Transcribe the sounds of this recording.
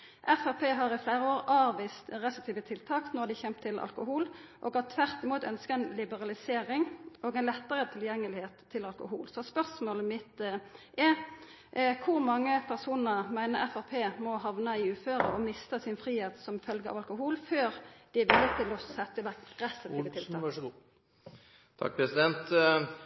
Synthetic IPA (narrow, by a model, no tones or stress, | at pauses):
ʔɛfæʁpʰeːɦɑʁɪflæːʁəoːʁɑːʋiːst̪ʁɛsk̚t̪ʰiːʋət̪ʰɪlt̪ʰɑːknɔʁd̪ɪçɛmt̪ʰːɪlʔɑ̰lkʊɦuːlʔɔ̰ːɡɑt̪ʰʋæʁt̪ɪmuːt̪œnskəɛnlɪbəʁɑlɪseːɾɪŋʔɔɡɛɪnlɛt̪ːəʁət̪ʰɪljɛŋːəlɪheːt̪ʰːɪlɑlkʊhṵːlsɔspœʁsmoːləmɪt̪ʔɛ | kʰʊɾmɑŋːəpʰæʁsuːnəʁmæɪnəʁɛfɑʁpʰeːmɔɦɑʋnəɪʉːføːɾəɔmɪst̪əsɪnfʁiːheːt̪sɔmfœlɡəɑ̰ʋɑlkʊɦuːlføːɾd̪̥ɪæʋɪlɪət̪ʰːɪlɔsɛt̪ːəʋækɛst̪ɑt̪ʰɪʋət̪ʰɪlt̪ʰɑː | t̪ʰɑ̰k̚pʰɾɛsɪd̪ɛnt̪